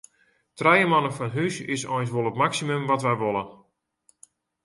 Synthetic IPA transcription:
trɛjəmɔnəfɔnɦysɪ̰sɔ̰jns̬ʋolˠətmaksimømʋɔtʋɛjʋolˠən

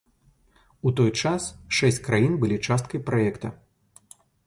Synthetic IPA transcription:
ut̪ɔjt͡ʂasʂɛsʲt͡sʲkɾajinbɨlʲit͡ʂast̪kɐjpɾaɛkt̪ɐ̰

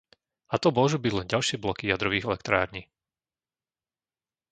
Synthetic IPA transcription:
at̪ɔmʊɔʒuːbiɟlɛnɟalʃɪɛblɔkijad̪ɾɔʋiːɣɛlɛkt̪ɾaːɾɲiː

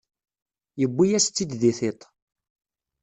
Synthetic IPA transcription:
jəbːijæst͡sːid̪ðiθet̪ˤ

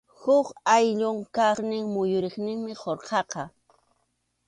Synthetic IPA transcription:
hʊkajʎʊŋkaχnɪŋmʊjʊɾɪχnɪŋmɪχoɾqʰɑqɑ

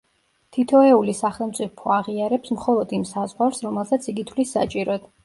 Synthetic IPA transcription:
t̪ʰit̪ʰɔɛulisaχɛlˠmt̪sʼipʰɔaʁiaɾɛpsmχɔlˠɔd̪imsazʁwaɾsɾɔmɛlˠsat̪sʰiɡit̪ʰlisːa̰t͡ʃʼiɾɔɛd̪̥

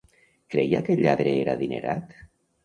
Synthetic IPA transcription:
kɾeja̰keʎːaðɾeeɾaðinḛɾʔat̪

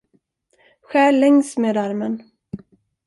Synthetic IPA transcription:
ɧæːlɛŋsmeːd̪aɾmən

